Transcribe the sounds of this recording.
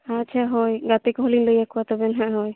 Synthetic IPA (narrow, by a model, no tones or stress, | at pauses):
atːʃʰaɦɔjɡat̪ikɦolinləjakuwat̪ɔbɛnɦãʔɦɔj